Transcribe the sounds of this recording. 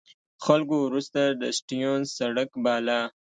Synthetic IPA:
xalkowɾust̪ad̪əsʈijonsaɽakbɑla

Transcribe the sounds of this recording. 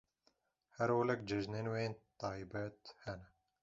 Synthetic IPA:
hɛɾwolɛk̚d͡ʒɛʒneːnweːnt̪ɑːjbɛt̪hɛnɛ

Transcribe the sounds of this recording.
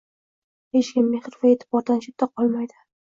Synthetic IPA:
heʃkʲɪnːeχɾfaet̪ʰɪ̥bɒɾd̪anʃɪt̪ʰːaqʰɒlˠmajd̪ɪ̥

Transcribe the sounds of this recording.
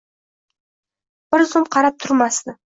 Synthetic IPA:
b̥ɪɾzʊmqʰɑɾɑp̚t̪ʰʊɾmɑst̪ə

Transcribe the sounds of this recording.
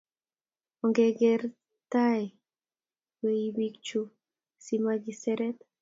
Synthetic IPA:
oŋɡeɡeɾ | t̪aj | weibikt͡ʃu | simaɡiseɾet̪

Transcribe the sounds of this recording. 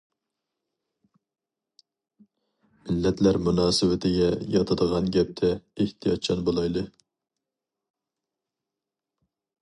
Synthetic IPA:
mɪlːɛt̪læɾmunɑːsɨwɪt̪ʰɪɡʲɛjɑt̪ʰɑd̪əʁɑnɡʲɛp̚t̪ʰɛeht̪ʰijɑt̪̚t͡ʃʰɑnbolˠɑjd̪ˠɨ

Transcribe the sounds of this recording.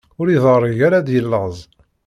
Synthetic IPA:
ʊɾiðəʁrˤʝaɾad̪jəlːəʁzˤ

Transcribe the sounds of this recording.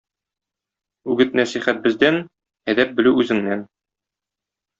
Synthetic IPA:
ʉɡɘt̪næsiχæt̪̚bɘ̆zd̪æn | æd̪æp̚bɘ̆lʉʉzɘ̆ŋnæn

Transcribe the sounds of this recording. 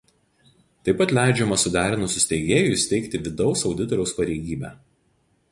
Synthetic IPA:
t̪ɐɪpːɐt̪ʲlʲæˑɪd͡ʒʲɛmɐsʊd̪ʲæːɾʲɪnusʊsʲt̪ʲɛɪɡʲeːjuɪsʲt̪ʲɛɪkt̪ʲɪʋʲɪd̪ɒʊsɒʊd̪ʲɪt̪ɔɾʲɛʊspɐɾʲɛɪɡʲiːbʲæ̰ː

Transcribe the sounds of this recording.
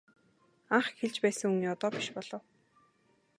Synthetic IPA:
aɴχxeɮt͡ɕpæːsə̆ŋɵŋniːɔt̪ɔːpʲi̥ʃpɔɮ̥ɞ̆w

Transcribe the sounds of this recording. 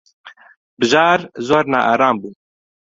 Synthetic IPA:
bɨʒɑːɾzoːɾna̰ːʔaːɾɑːmbuː

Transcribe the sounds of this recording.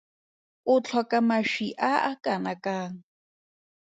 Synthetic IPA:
ʊt͡ɬʰwakamaʃiʔaʔakanakaŋ

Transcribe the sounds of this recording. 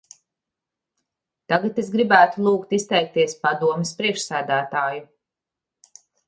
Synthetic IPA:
t̪aɡat̪esɡɾibæːt̪ulˠuːkt̪ist̪ɛjk̚t̪iɛspad̪uɔmespɾiɛkʃsæːd̪æːt̪aːju

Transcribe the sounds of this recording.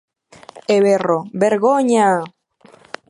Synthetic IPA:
eβerobeɾɣoɲa

